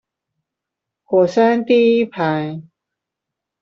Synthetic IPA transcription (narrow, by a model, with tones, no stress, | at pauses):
ko˨˩sa˦˥nt̪i˦i˦pʰa˨j